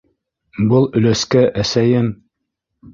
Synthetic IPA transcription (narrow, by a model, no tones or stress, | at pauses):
bɤlˠɵ̆læskæʔæsæjɘm